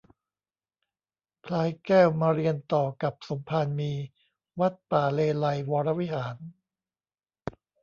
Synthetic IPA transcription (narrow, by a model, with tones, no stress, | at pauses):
pʰlaː˧jkɛː˥˩wmaː˧ɾi˧ənt̪ɔː˨˩ka˨˩p̚so˩˦mpʰaː˧nmiː˧ | wa˦˥t̪̚paː˨˩leː˧la˧jwɔː˧ɾa˦˥wi˦˥haː˩˦n